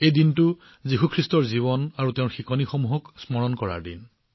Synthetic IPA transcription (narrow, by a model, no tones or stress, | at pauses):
ejdintʊ | ziɦukʰɹistɔɹziβɔnaɹuteʊ̃ɹxikɔnixɔmuɦɔksmɔɹɔnkɔɹa̰ɹdḭn